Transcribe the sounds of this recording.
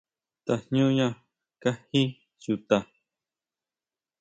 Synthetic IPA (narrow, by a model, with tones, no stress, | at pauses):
t̪a˨ɲ̥ɲũ˦ɲã˧˨ | ka˦hi˦ | ju˧t̪a˧˨